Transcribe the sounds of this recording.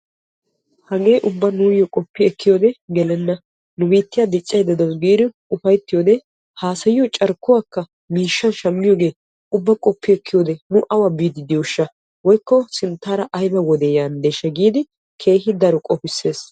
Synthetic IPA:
hɐɡe̞ːʔʊbːɐnuːjɔkʼɔpːɪɛkːɪjoːd̪ɛɡɛlɛnːɐ | nʊbiːt̪ːɪjad̪ɪt͡ʃʼːɐjd̪ɐd̪ɔnɡiːd̪ɪ | ʊfɐjt̪ːɪjoːd̪ɛ | haːsɐjɪjɔt͡ʃʼɐɾkːʊwaːkːɐ | miːʃːɐnʃɐmːɪjoːɡe̞ː | ʊbːɐkʼɔpːɪɛkːɪjoːd̪ɛnʊʔɐwabiːd̪ɪd̪iʊʃːɐ | wɔjkːɔsɪnt̪ːaːɾɐʔɐjbɐwɔd̪ɛjaːnd̪eːʃːɐɡiːd̪ɪ | kʰe̞ːɦɪd̪ɐɾɔkʼɔpɪsːe̞ːs

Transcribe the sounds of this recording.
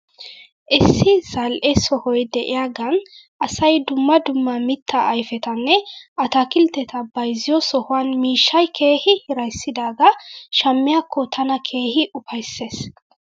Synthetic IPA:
ʔɪsːɪzɐlʔɛsɔhɔjd̪ɛʔɪjaːɡɐn | ʔɐsɐjd̪ʊmːɐd̪ʊmːɐmɪt̪ːɐʔːjfɛt̪ɐnːɛʔɐt̪ɐkɪlt̪ːɛt̪ɐbɐjzɪjɔsɔhʊwɐnmiːʃːɐjkʰeːhɪhɪɾɐjsːɪd̪aːɡɐʃɐmːɪjaːkːɔt̪ʰɐnɐkʰeːhɪʔʊpɐjsːeːs

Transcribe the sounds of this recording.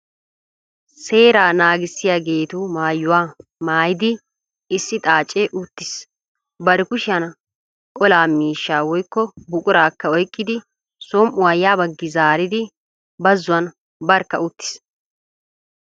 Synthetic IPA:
se̞ːɾaːnaːɡɪsːɪjaɡe̞ːt̪uːmaːjːʊwaːmaːjɪd̪ɪ | ɪsːɪt̪ʼaːt͡ʃʼːeːʔʊt̪ːɪs | bɐɾɛkʊʃɐnɐ | kʼɔlaːmiːʃːaːwɔjkːɔbʊkʼʊɾaːkːɐɔjkʼːɪd̪ɪ | sɔmʔʊwajaːbɐɡːɪzaːɾɪd̪ɪ | bɐzːʊwɐn | bɐɾkːɐʊt̪ːɪ̥s

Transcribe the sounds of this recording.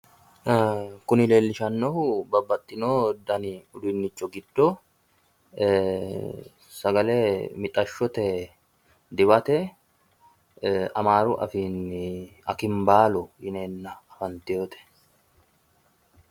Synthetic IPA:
kʊnɪle̞ːlːɪʃɐnːɔhʊbɐbːɐt̪ʼːɪnoːd̪ɐnɪʊd̪ʊnːɪt͡ʃːɔɡɪd̪ːo | sɐɡɐleːmɪt̪ʼɐʃːɔt̪ɛ | d̪ɪbɐt̪ɛ | ɐmaːɾʊ̰ʔɐ̰finɐkɪmbaːlɔjɪneːnːɐːfɐnt̪ɪjoːt̪ɛ̥

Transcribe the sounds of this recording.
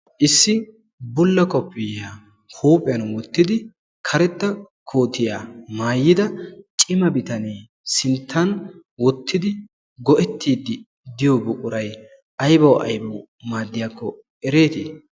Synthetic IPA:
ʔɪsːɪ | bʊlːɐkɔpːɪjaː | huːpʼɪjɐnwɔt̪ːɪd̪ɪ | kʰɐɾɛt̪ːɐ | kʰoːt̪ɪjaːmaːjːɪd̪ɐt͡ʃʼɪmɐbɪt̪ɐneː | sɪnt̪ʰːɐnwɔt̪ːɪd̪ɪ | ɡɔʔɛt̪ːiːd̪ːɪ | d̪ɪjɔbʊkʼʊɾɐj | ɐjbɐwʔɐ̰jbɐw | maːd̪ːɪjaːkːɔ | ɛɾe̞ːt̪ḭː

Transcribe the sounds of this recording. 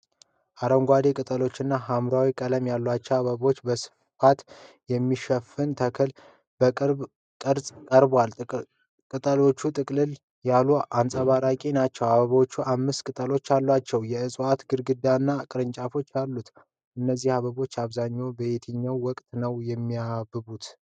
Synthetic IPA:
ʔaɾəŋɡʷad̪e̞kʼɨt̪ʼəlo̞t͡ʃːɨnːaɦamɾawikʼələmjalːwat͡ʃːɛwaβəβo̞t͡ʃːbəsɨ̥ | fat̪ | jɛmːiʃɛfɨnt̪ʰəkʰɨl | bəɾ | kʼɨɾsʼkʼəɾbal | kʼɨt̪ʼəlo̞t͡ʃːut̪ʼɨkʼlɨl | jaluansʼəβaɾakʼinat͡ʃːɛwaβəβo̞t͡ʃːuʔamːɨst̪kʼɨt̪ʼəlo̞t͡ʃːalːwat͡ʃːɛwjɛɨsʼuat̪ɡɨɾɡɨd̪anːakʼɨɾɨnt͡ʃʼafo̞t͡ʃːjalːut̪ | ʔɨnːəzːihaβəβo̞t͡ʃːaβzaɲːobəet̪ʰɨɲːawːɔkʼt̪ʼnəwjɛmːiabɨβut̪

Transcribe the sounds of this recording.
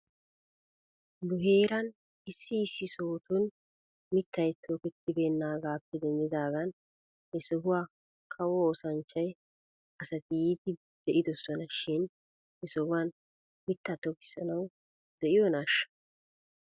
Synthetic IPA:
lʊɦeːɾɐn | ɪsːɪːsːɪsoːt̪ʊn | mɪt̪ːɐjt̪ʰoːkɛt̪ːɪbeːnːaːɡaːpːɛd̪ɛnd̪ɪd̪aːɡɐn | hɛsɔɦʊwaː | kʰɐwɔoːsɐnt͡ʃːɐj | ɐsɐt̪ɪjiːd̪ɪ | d̪̥ɛʔɪd̪ɔsɔnɐʃɪn | ɛsɔhʊwan | mɪt̪ːat̪ːɔkɪ̥sɐnɐw | d̪̥ɛʔɪjɔnaːʃːɐ̥

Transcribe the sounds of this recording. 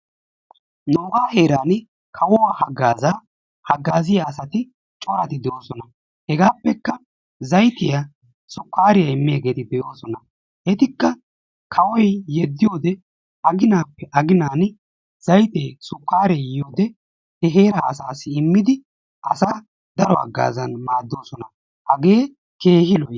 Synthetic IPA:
noːɡaːhe̞ːɾaːn | kʰɐwɔwaːhɐɡːaːzaː | hɐɡːaːzɪjaːsɐt̪ɪ | t͡ʃʼɔwaːt̪ɪd̪ɛjo̞ːsɔnɐ | hɛɡaːpːɛkːɐ | zɐjt̪ɪja | sʼʊkːaːɾɪjɐɪmːɪjaːɡe̞ːt̪ɪd̪ɛjo̞ːsɔnɐ | ʔɛt̪ɪkːɐ | kʰɐwɔjjɛd̪ːɪjo̞ːd̪ɛ | ɐɡɪnaːpːɛʔɐɡɪnaːn | z̥ɐjt̪eːsʼʊkːaːɾejjo̞ːd̪ɛ | hɛɦe̞ːɾaːɐsaːsːɪɪmːɪd̪ɪ | ʔɐsaː | d̪ɐɾɔɐ̰ɡːa̰ːzɐnmaːd̪ːo̞ːsɔnɐ | hɐɡeː | ke̞ːhɪlɔj

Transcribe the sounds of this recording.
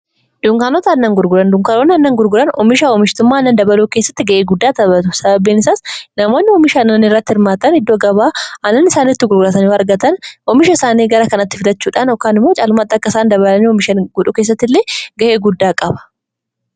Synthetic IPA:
d̪̥ʊŋkaːnɔt̪ɐɐnːɐŋɡʊɾɡʊɾɐnd̪ʊŋkaːnonɐnːɐŋɡʊɾɡʊɾɐnɔmɪʃaɔmɪʃt̪ʊmːaːɐnːɐnd̪ɐbɐluːkeːsːɐ̥t̪ːɪɡɐʔeːɡʊd̪ːaːt̪ɐbɐt̪ʊsɐbɐbiːnɪsaːsnɐmo̞ːnːɪɔmɪʃɐnɐnɪrːɐt̪ːɪhɪɾmaːt̪ɐnhɪd̪ːoːɡɐbaːɐnːɐnɪsaːnit̪ːɪɡʊɾɡʊlɐt̪ɐnɪɐɾɡɐt̪ɐnɔmɪʃɐɪsaːniːɡɐɾɐkɐnɐt̪ːɪfɪd̪ɐt͡ʃːuːᶑaːnɔkːaːnɪmːo̞ːt͡ʃʼaːlʊmat̪ːɐkːɐɪsaːnd̪ɐβɐlɐniɔmɪʃɐnɡʊᶑuke̞ːsːɐt̪ːɪlːeːɡɐʔe̞ːɡʊd̪ːaːkʼɐbɐ̥

